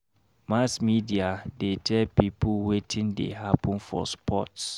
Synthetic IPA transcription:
masmidiadetʰɛlpipʰuwetʰɪ̃ndḛɦapʰə̃nfɔ̰spʰɔts

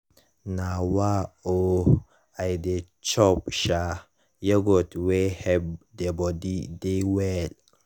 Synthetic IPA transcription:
nawao | ajde | t͡ʃɔp̚ʃa | jəɡotwehɛb̚debɔdidewɛl

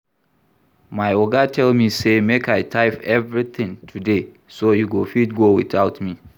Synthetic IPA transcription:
maɪoɡatʰɛlmisemekaɪtʰaɪfɛvɹiθɪ̃ŋtʰude | sojuɡofit̚ɡowiθaʊtmi

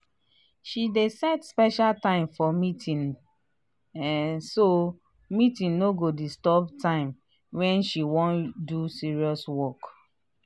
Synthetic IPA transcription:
ʃidesɛdspɛʃaltãɪ̃mfɔmitʰĩn | so | mitĩnnoɡodistɔbtãɪ̃m | wɛ̃nʃiwɔ̃ndusiɹiɔswɔk

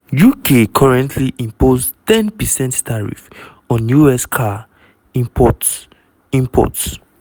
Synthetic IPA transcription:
jukʰekʰɔɹɛ̃ntʰliʔĩmpostɛ̃npɛsɛ̃nttʰaɹḭf | ɔ̃nːjuɛskʰa | ĩpɔt | ĩmpʰɔ̰ts

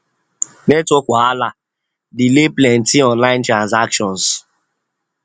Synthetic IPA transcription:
netokʷaala | dɪleplɛn̩tiɔnlaɪ̃n̩tɾãnzakʃɔ̃ns

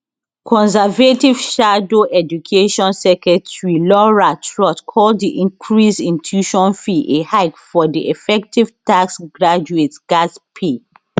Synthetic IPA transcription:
kʰɔ̃nsavetiv̥ʃadoʔɛd͡ʒukʰeʃɔ̃nsɛkɹɛtɹilɔɹatʰɹɔtkʰɔlddiʔĩŋkʰɹisĩntʰjuʃɔ̃nfiʔehaɪpfɔdiʔefɛk̚tiv̥taksɡɹad͡ʒuetɡ̥aspʰe

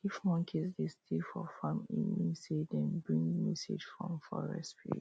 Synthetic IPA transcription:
ifmɔ̃nkʰisdestʰefɔfãmĩnmisedɛ̃nbɹĩŋmɛsḛd͡ʒfɹɔ̰̃mfɔɹɛ̰spḭ

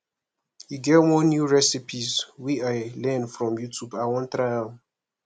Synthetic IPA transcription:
hiɡɛvmɔnjuɹɛsipʰizwiaɪlɛ̃nfɹɔ̃mjutʰjubawɔ̃ntɾa

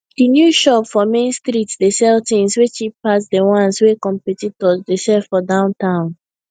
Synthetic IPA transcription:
dinjuʃɔpfɔmẽnstɾitsdesɛltĩŋswet͡ʃipːas̬dewãnswekɔ̃mpɛtitɔzdeʃɛfɔdãʊ̃ntãʊ̃n

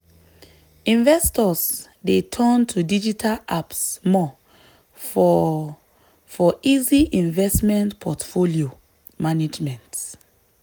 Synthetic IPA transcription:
ĩɱvɛstɔs | detʰɜ̃ntʰudid͡ʒitʰalapsmɔ | f | fɔʔiziʔĩɱvɛstmɛ̃ntpʰɔtfolio | maned͡ʒmɛ̃nt

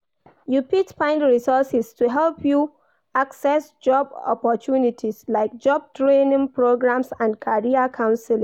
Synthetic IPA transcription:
jupitfãɪ̃ndɹisɔsistuɦɛlpʰju | aksɛsd͡ʒɔbɔ̰pɔtʰunitʰislaɪk̚d͡ʒɔb̚tʰɹẽnĩŋpɹoɡɹãmsãndkʰaɹiakʰãʊ̃nsil̃

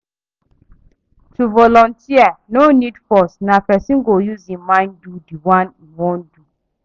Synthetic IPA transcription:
tuvɔlɔ̃ntʰianonidfɔsnapɛsĩnɡojuzĩnmãɪ̃ndudiwãniwɔ̃ndu

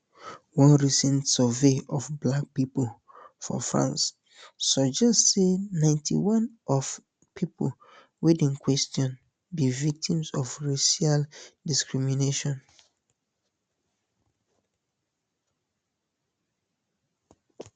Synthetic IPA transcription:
wɔ̃nɹisɛ̃ntsɔveɔvblak̚pipol | fɔ̰fɹã̰nsː | ɔd͡ʒɛstsenãɪ̃ntʰḭwɔ̃nʔɔv | pʰipʰol | widĩŋkʰwɛstɔ̃n | bivik̚tʰĩmsɔvɹeʃaldiskɹimineʃɔ̃n

